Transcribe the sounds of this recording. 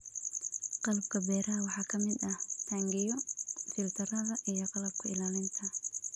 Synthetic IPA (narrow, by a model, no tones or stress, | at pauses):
qɑlɐb̚kʰɐbɛːɾɐɦɐwɑħɑːkʰɐmɪd̪ɐht̪ʰaːŋɡɪjɔfɪlt̪ʰɐɾɐðɐʔijɔqɑlɐb̚kʰɐɪlaːlɪnt̪ʰɐ